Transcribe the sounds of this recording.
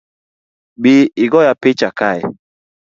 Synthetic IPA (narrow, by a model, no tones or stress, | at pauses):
biiɡɔjapet͡ʃakajɛ̰